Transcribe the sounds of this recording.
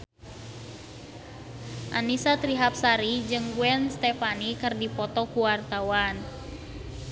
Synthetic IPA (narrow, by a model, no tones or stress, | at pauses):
ʔanisat̪ɾiɦap̚saɾid͡ʒɨŋɡuɛnst̪ɛfanikɨrdipɔt̪ɔkuwart̪awan